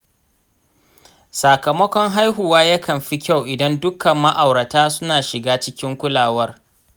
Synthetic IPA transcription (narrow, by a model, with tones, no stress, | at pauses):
sa˨kɐ˨mɐ˦kʷɔ˦ŋɦa˦jɦʊ˨waː˦jɐ˦kʰɐ˨mɸi˦kʲa˦˨wʔɪ˨dɐ˦ndʊ˦kɐ˨mːɐ˦ʔa˨wɽɐ˨taː˦sʊ˦naː˨ʃɪ˨ɡaː˦t͡ʃɪ˦kʲɪ˦ŋkʷʊ˦laː˨wɐ˦r